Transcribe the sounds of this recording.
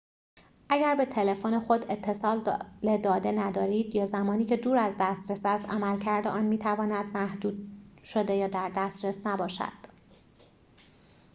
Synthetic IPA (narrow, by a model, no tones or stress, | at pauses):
ʔæɟæɾbe̞t̪ʰe̞le̞fone̞xo̞d̪e̞t̪ʰːe̞sɒːlled̪ɒːd̪e̞næd̪ɒːɾiːd̪̥jɒːzæmɒːniːcʰe̞d̪uːɾæzd̪æst̪ɾesæst̪æmælcʰæɾd̪eʔɒːnmiːt̪ʰævɒːnæd̪̚mæhd̪uːd̪̥ʃod̪e̞jɒːd̪æɾd̪æst̪ɾesnæbɒːʃæ̰d̪̥